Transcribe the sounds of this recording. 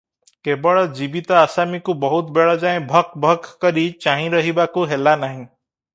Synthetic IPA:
kebɔɭɔd͡ʒibit̪ɔasamikubɔɦut̪beɭɔd͡ʒaẽbʱɔk̚ʰbʱɔkʰːɔɾit͡ʃaɦĩɾɔɦibakuɦelanaɦĩ

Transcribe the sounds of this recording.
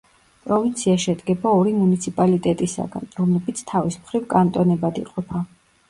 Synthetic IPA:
pʼɾɔvint̪sʰiaʃɛd̪ɡɛbaɔɾimunit̪sʰipʼalit̪ʼɛt̪ʼisa̰ɡa̰nɾɔmlɛbit̪sʰt̪ʰavismχɾivkʼant̪ʼɔnɛbad̪iqʼɔpʰa

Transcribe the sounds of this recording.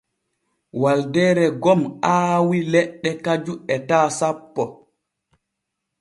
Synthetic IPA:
waldɛːɾɛɡɔmʔaːwilɛɗːɛkad͡ʒuɛtaːsapːɔ

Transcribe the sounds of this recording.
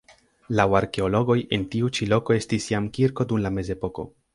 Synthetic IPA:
lawaɾke̞o̞lo̞ɡo̞je̞ntiut͡ʃilo̞ko̞e̞stisjamkiɾko̞dumlame̞ze̞po̞ko̞̰

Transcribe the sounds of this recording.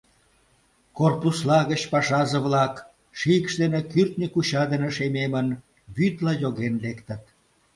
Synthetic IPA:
korpuslɑɣət͡ɕpɑʃɑzəβlɑk | ʃiəkʃd̪enekyrt̪nʲikut͡ɕɑd̪eneʃememən | βyt̪lɑjoɣenlekt̪ə̆t̪

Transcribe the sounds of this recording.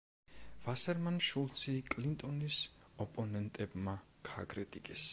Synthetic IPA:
v̥asɛɾmanʃulˠt̪sʰikʼlint̪ʼɔnisɔpʼɔnɛnt̪ʼɛbmaɡ̥aːɡɾɛt̪ʼikʼɛs

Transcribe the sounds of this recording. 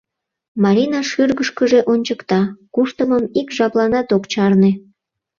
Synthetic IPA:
mɑɾʲinɑʃyrɣəʃkəʒeʔonʲt͡ɕəkt̪ɑkuʃt̪əməmikʒɑplɑnɑt̪okt͡ɕɑrne

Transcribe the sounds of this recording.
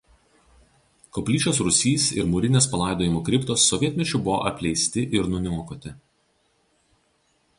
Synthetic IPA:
kɔpʲlʲiːt͡ʃʲoːsɾʊsʲiːsɪ̰ɾmʊɾʲɪnʲeːspɐlˠɑˑɪd̪oːjɪmoːkɾʲɪpt̪oːsːɔʋʲiɛt̪ʲmʲɛt͡ʃʲʊbʊʋo̰ːʔɐpʲlʲɛɪsʲt̪ʲɪʔɪɾnʊnʲuɔkot̪ʲɪ

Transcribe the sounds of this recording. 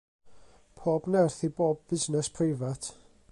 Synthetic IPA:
pʰoːbnɛrθiboːb̚b̥ɪznɛspʰrɪvatʰ

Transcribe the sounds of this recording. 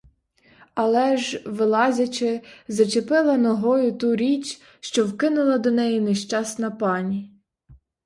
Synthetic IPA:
ɐlˠɛʒʋɪlˠɑzʲɐt͡ʃɪzɐt͡ʃepɪlˠɐnɔɦɔjʊt̪uɾʲit͡ʃ | ʃt͡ʃɔwkɪnʊlˠɐd̪ɔnɛjineʃt͡ʃɑsnɐpɑnʲi

